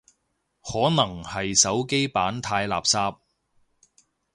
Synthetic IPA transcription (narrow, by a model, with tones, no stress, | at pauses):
hɔː˨˥nɐ˨˩ŋhɐ˨jsɐ˨˥wke˥jpaː˨˥nt̪ʰaː˧jla̰ː˨p̚saː˧p̚